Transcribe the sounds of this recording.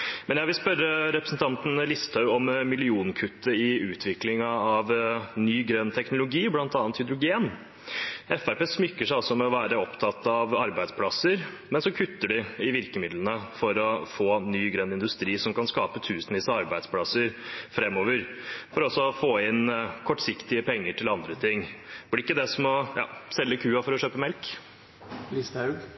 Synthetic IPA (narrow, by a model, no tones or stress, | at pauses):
mɛnjæɪʋɪlspœɾːəɾɛpɾəsn̩t̪ʰɑnt̪n̩lɪst̪ʰɑʉɔmmɪlɪuːnkʰʉt̪ːəɪʉːt̪ʰʋɪklɪŋɑɑʋnyːɡɾœnːt̪ʰɛknʊlʊɡiːblɑnt̪ɑːnt̪hʏd̪ɾʊɡeːn | ɛfæɾpeːsmʏkːəʂæɪɑlsɔmɛɔʋæːɾəɔpt̪ʰɑt̪ːɑʋɑɾbæɪspʰlɑsəɾ | mɛnsɔkʰʉt̪ːəɖɪɪʋɪɾkəmɪd̪lənəfɔɾɔfoːnyːɡɾœnːɪnd̪ʉst̪ɾiːsɔmkɑnskɑːpət̪ʰʉːsənʋiːsəɑɾbæɪd̪spʰlɑsəɾfɾɛmːoːʋəɾfɔɾɔsːɔfoːɪnkʰɔʈːsɪkt̪ɪəpɛŋːəʈɪlɑnd̪ɾət̪ʰɪŋːblɪɪkːəd̪ɛsɔmɔjɑ̰ːsɛlːəkʰʉːɑfɔɾɔʃøːpəmɛlk | list̪ɑʉɡ